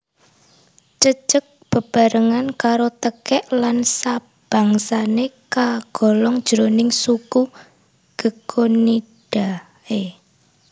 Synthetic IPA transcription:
t͡ʃət͡ʃək̚b̥ə̤b̥a̤ɾəŋankaɾot̪əkɛʔlansa | b̥ä̤ŋsanekaɡ̥ɔ̤lɔŋd̥ʒ̥əɾonɪŋsuku | ɡ̥ə̤kʰoni | d̥a | e

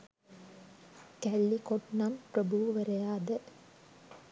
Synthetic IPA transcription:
kælːikoʈnampɾɐbuʋɐʋɐɾɐjaːd̪ɐ

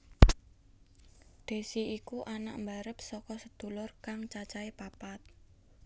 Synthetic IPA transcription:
d̪̥e̤siikuʔana̰ʔmbaɾəp̚sɔkɔsəd̪̥ulʊrkaŋt͡ʃat͡ʃaepapat̪̚

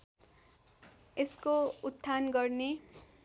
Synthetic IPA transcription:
eskout̪ʰːanɡʌrne

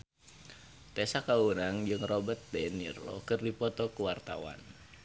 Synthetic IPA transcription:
t̪ɛsakaunaŋd͡ʒɨŋrɔbət̪̚dɛnirɔ̰kɨrdipɔt̪ɔkuwart̪a̰wa̰n

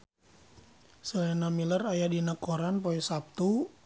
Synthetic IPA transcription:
səlɛnamilərajadinakoɾanpoɛsap̚t̪u

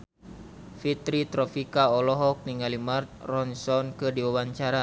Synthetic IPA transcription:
fit̪ɾit̪ɾɔfikaɔlɔɦɔk̚niŋalimart̪̚rɔnsɔnkɨdiwawaɲt͡ʃaɾa

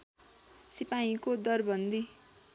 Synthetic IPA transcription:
sipaĩkod̪ʌrbʌnd̪i

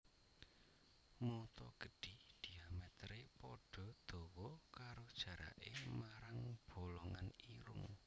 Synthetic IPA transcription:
mɔt̪ɔɡ̥ə̤ɖ̥id̪̥i̤amɛt̪ɾepɔɖ̥ɔ̤d̪̥ɔ̤wɔkaɾod̥ʒ̥ä̤ɾa̰ʔemaɾaŋb̥o̤lɔŋaniɾʊ̰ŋ

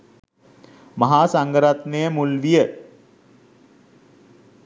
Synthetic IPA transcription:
mɐɦaːsaŋɡəɾat̪nejəmulʋijə

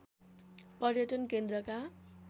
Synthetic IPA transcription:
pʌrjʌʈʌnkend̪ɾʌka

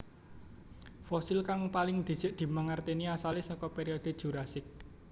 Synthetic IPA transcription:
fɔsɪlkaŋpalɪŋd̪̥i̤̥d͡ʒ̥ɪ̤ʔd̪̥i̤maŋart̪eniasalɪsɔkɔpeɾiod̪̥̤d̥ʒ̥ṳɾasɪk̚

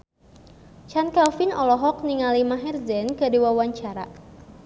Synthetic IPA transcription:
t͡ʃankalfinɔlɔɦɔk̚niŋalimaɦɛrzɛnkədiwawaɲt͡ʃaɾa̰

